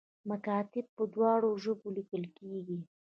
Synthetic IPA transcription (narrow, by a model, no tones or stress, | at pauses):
makɑt̪ɪb̚pəd̪wɑɽoʒəbolikəlkeɡi